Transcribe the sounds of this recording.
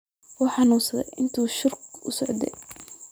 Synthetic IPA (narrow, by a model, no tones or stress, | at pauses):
wɔːħɑnuːsɐðɛ̰ʔɪnt̪ʰuːʃʊrkʊ̰sɔʕd̪ɛ̰